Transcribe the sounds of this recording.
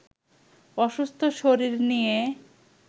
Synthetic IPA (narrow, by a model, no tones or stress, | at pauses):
ɔʃust̪ʰoʃoɾiɾnije